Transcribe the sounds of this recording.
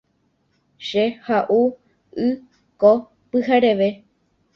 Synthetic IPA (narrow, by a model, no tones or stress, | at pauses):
ʃehaʔu | ɨ | ko | pɨhaɾe̞ʋe